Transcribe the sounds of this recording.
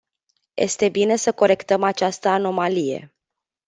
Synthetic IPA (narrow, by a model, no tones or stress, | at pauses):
je̞̰st̪e̞bine̞səko̞ɾe̞kt̪əmat͡ʃast̪əano̞malije̞̰